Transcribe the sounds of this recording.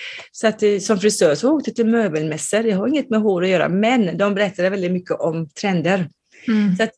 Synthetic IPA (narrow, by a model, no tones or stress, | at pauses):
sɔat̪sɔmfɾɪsøːʂɔoːk̚t̪ət̪ʰːɪlmøːbəlmɛsːəɾd̪ɛɦaɾɪŋːət̪mɛɦoːʈɔjøːɾa̰mɛnːd̪ɔmbɛɾɛt̪ʰːad̪əvɛld̪ɪt̪̚mʏkːəʔɔmt̪ʰɾɛnd̪əɾ | sɔat̪